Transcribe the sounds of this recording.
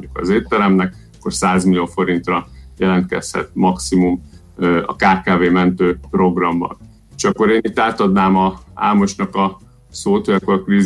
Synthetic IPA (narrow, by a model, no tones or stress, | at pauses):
ukɒ̰zeːt̪ːɛɾɛmnɛk | ɒkːo̞rsaːzmilijoːfo̞ɾint̪rɒjɛlɛnt̪̚kɛ̰shɛ̰t̪̚mɒksimum | ɒ̰kaːkaːveːmɛnt̪øːpro̞ɡrɒmbɒ̰n | eʃɒkːo̞ɾeːnit̪ːaːt̪ɒd̪naːmɒa̰ːlmo̞ʃnɒkɒ | soːt̪hojɒkːo̞ɾɒkriːz